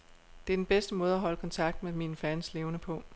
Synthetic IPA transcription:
d̥e̝æɐd̥enb̥esd̥əmɔ̽ːð̞̩ˠæɦɒ̽ləkʰɒ̽nt͡sʰɑ̈ɡ̥̚d̥̚meminfænsle̝ːʊnəpʰɔ̽

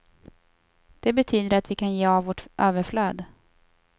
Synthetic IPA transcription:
d̪̥ɛbɛt̪ʰyːd̪əɾat̪vɪkʰanjeːavvɔʈʔøːvəɾfløːd̪

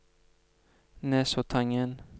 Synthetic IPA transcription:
nɛsot̪ʰaŋən

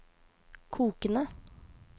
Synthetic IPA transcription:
kʰuːkənə

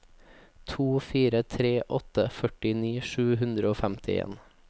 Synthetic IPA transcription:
t̪ʰuːfiːɾət̪ʰɾeːʔɔt̪əfœʈɪniːʃʉːɦʉnd̪ɾəoːfæmt̪ʰɪḛːn

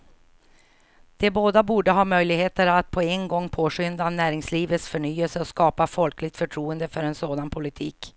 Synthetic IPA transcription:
d̪̥ɛboːd̪abuːɖəɦɑːmœjlɪɡheːt̪əɾat̪̚pʰɔɛnɡɔŋːpʰoːɧʏnd̪anæːɾɪŋsliːvət̪sfœɳyːəlsəɔskɑːpafɔlklɪɡ̚t̪fœʈʰɾuːənd̪əfœɾɛnsoːd̪anpʰʊlɪt̪ʰḭːk

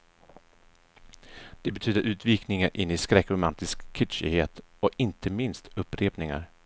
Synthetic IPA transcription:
d̪̥ɛbɛt̪ʰyːd̪əɾʔʉ̟ːt̪viːknɪŋaɾʔɪnːɪskɾɛkːɾʊmant̪ɪskʰːɪtʂɪ̰heːt̪ | ɔɪnt̪ʰəmɪnst̪ɵpːɾeːpnɪŋa̰ɾ

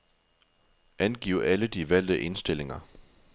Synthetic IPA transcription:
ʔænɡ̥ḭʊ̰æləd̥iʋæl̰d̥əʔe̝nsd̥e̝le̝ŋɐ

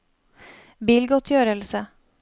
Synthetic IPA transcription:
biːlɡɔt̪ʰːjœːɾəlsə

